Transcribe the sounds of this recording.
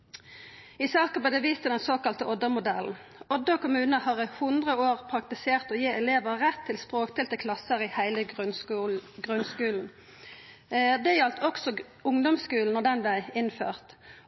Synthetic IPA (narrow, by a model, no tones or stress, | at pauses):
ɪsɑːkəpɔːd̪ɛʋiːst̪əd̪ɛnsoːkɑlt̪əʔɔd̪əmʊd̪ɛln̩ | ɔd̪əɔkʊmʉːnəhɑʁhʊnd̪ʁəoːʁpʰʁɑk̚t̪ɪseːʁt̪ɔːjeːʔɛleːʋəʁɛt̪ʰːɪlspʁoːkt̪ʰɪlt̪əkʰlɑsəɾɪhæɪlə | ɡʁʉnskʉːln̩ | d̪ɛjɛlt̪ʰɔksɔ | ʊŋd̪ɔmskʉːln̩ɔd̪ɛnblæɪɪnfø̰ːʁt̪